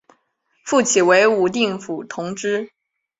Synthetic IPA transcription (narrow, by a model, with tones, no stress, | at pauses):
fu˥˩t͡ɕʰi˨˩we˧˥ɪu˨˩t̪̬i˥˩ŋfu˨˩t̪ʰʊ˧˥ŋʈ͡ʂɻ̩˥